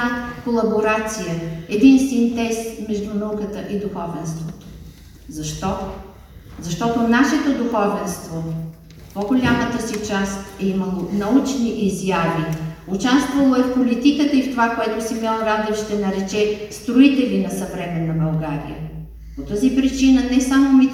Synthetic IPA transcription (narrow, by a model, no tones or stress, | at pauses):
akolˠɐboɾat̪sijəɛd̪insvɛnt̪ɛst̪mɛʒd̪unɐukət̪əʔid̪uxɔvɛnst̪vot̪o̥ | zɐʃt̪ɔ | zɐʃt̪ɔt̪onaʃɛt̪od̪uxɔvɛnst̪vo | poɡolʲamət̪əsit͡ʃast̪ɛiməlˠonɐut͡ʃniʔizjaviot͡ʃast̪vɐlˠoɛfpolit̪ikət̪əift̪ovakoɛt̪osimɛlˠɾad̪ɛfʃt̪ɛnɐɾɛt͡ʃɛst̪ɾoit̪ɛvinɐsɐvɾɛmɛnːɐbɐlˠɡaɾḭjə̰ | pot̪əzipɾit͡ʃinənɛsamomi